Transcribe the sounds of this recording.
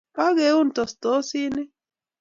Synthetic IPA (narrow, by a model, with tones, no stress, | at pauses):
ka˦ɣe˨˦u˦nt̪o˨st̪o˦si˦ne˦